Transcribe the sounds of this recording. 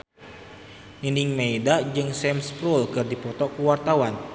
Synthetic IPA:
niniŋmeidad͡ʒɨŋsɛmspɾulkɨrdipɔt̪ɔkuwart̪awan

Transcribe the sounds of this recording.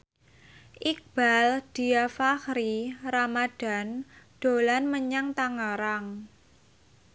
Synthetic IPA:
ʔik̚b̥ald̪̥i̤afaxɾiramad̥a̤nɖ̥o̤lanməɲaŋt̪aŋəɾaŋ

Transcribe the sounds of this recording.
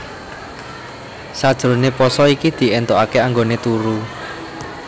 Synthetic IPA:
sad̥ʒ̥ɾo̤nepɔsɔikid̪̥i̤ent̪oakeaŋɡonet̪uɾu

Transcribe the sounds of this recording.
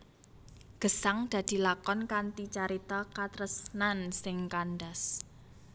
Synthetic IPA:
ɡ̥ə̤saŋd̪̥a̤d̪̥i̤lakɔnkant̪it͡ʃaɾit̪ɔkat̪ɾəsnansɪŋkanɖas

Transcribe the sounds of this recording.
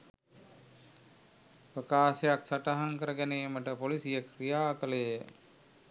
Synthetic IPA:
pəkaːsejaksaʈaɦaŋkəɾəɡæneːməʈəpolisijəkrijaːkələjə

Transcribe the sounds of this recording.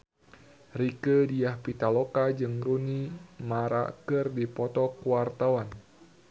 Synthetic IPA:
rikədiahpit̪alokad͡ʒɨŋrunimaɾa̰kɨrdipɔt̪ɔkuwart̪awan

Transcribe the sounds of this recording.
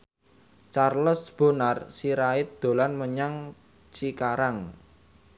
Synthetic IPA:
t͡ʃarlɔsb̥o̤narsiɾaɪt̪̚d̪̥o̤lanməɲaŋ | t͡ʃikaɾaŋ

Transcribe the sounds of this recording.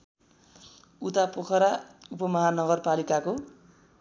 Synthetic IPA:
ut̪apokʰʌɾaupʌmʌɦanʌɡʌrpalikako

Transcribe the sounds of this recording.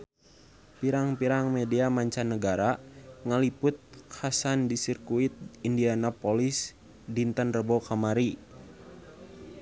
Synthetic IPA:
piɾaŋpiɾaŋmɛdiamaɲt͡ʃanːəɡaɾaŋalipʊt̪̚kʰasandisirkuit̪̚indianapolis | dint̪ənrəbokamaɾi

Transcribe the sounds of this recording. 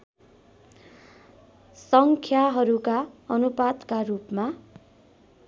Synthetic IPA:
sʌŋkʰjaɦʌɾukaʌnupad̪karupma

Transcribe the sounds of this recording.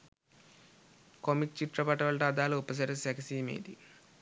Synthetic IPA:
komik̚t͡ʃiʈɾɐpɐʈɐʋɐɭʈaːd̪aːluːpːɐs̬ɐɾesɐksiːmḛːd̪ḭ

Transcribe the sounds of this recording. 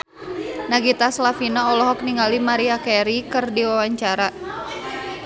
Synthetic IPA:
naɡit̪aslafinaɔlɔɦɔk̚niŋalimaɾiakɛɾikɨrdiwawaɲt͡ʃaɾa

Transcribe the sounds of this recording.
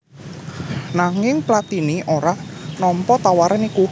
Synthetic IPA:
naŋɪŋplat̪iniʔoɾanɔmpɔt̪awaɾaniku

